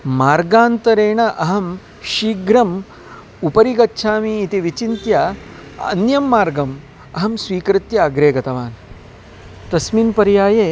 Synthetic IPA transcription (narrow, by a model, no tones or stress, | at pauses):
maːɾɡaːnt̪ɐɾeːɳɐʔɐɦɐm | ʃiːɡɾɐm | upɐɾiɡɐtːʃʰaːmiːt̪iʋit͡ʃint̪ja | ɐ̰njɐmːaːɾɡɐm | ɐɦɐmsʋiːkɾɪt̪jɐːɡɾeːɡɐt̪ɐʋaːn | t̪ɐsmiːnpɐɾjaːjeː